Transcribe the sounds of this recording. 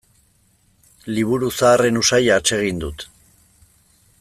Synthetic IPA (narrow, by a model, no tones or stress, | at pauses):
liβ̞uɾusaːre̞nusajat͡ʃe̞ɣ̞ind̪ut̪